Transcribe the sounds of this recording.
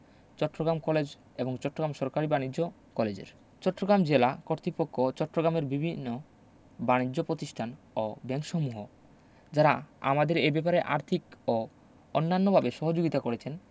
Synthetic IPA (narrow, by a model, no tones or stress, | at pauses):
t͡ɕɔʈːɾoɡɾamkɔled͡ʑ | eboŋt͡ɕɔʈːoɡɾamʃɔɾkaɾibanid͡ʑo | kɔled͡ʑḛɾ | t͡ɕɔʈːɾoɡɾamd͡ʑelakoɾt̪ɾipokʰːot͡ɕɔʈːɾoɡɾameɾbibʱinːo | banid͡ʑopɾot̪iʃʈʰan | obɛŋʃomuɦo | d͡ʑaɾaa̰mad̪eɾebɛpaɾeʔa̰ɾt̪ʰiko | ɔnːanːobʱabeʃɔɦod͡ʑoɡit̪akoɾet͡ɕʰen